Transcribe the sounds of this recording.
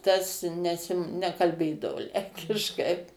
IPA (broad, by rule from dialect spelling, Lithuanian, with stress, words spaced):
ˈtɐs ˈnʲæːsʲɪ nʲɛkɐlʲˈbʲeːdɐʋoː ˈlʲɛŋʲkʲɪʃkɐɪ